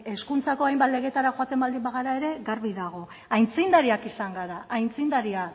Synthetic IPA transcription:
e̞skunt͡sako̞ajmbat̪le̞ɣ̞e̞t̪aɾaxoat̪e̞mbald̪imbaɣ̞aɾae̞ɾe̞ɣaɾβiðaɣ̞o̞ | ajnt͡sind̪aɾiakisaŋɡaɾaʔajnt͡sind̪aɾia

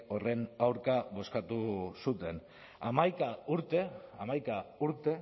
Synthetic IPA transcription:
o̞re̞nawɾkaβo̞skat̪usut̪e̞n | a̰majkauɾt̪e̞amajkauɾt̪e̞

